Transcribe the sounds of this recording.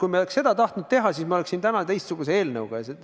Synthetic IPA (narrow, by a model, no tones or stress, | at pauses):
kujmeoleksse̞d̪̥ɑt̪ɑht̪nud̪̥̚t̪e̞ɦɑsiːsmɑole̞ksint̪ænɑt̪e̞jst̪suɡ̥use̞e̞ːlnɤwɡ̥ɑjɑse